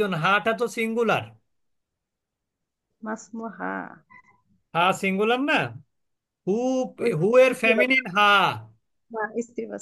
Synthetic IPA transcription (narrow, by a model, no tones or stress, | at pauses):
onɦaːʈʰɐt̪̬osiŋɡulɐ̰ɾ | mɐsmuɦa̰ː | ɦaːsiŋɡulɐmːɐ | huɦueɾfʰemininɦaː | ɦaist̪ibɐ